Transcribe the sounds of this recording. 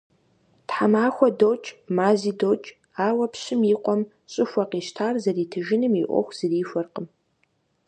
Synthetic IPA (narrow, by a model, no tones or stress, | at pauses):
tħamaːxʷɔdoːt͡ʃʼmaːziːdoːt͡ʃʼ | aːwɐpɕɪmiːqʷɔm | ɕʼɪxʷɐqiːʃtʰaːrzɐriːtʰɨʒɪnɨmḭʔʷɔ̰xʷz̥ɨriːfʷɐrqəm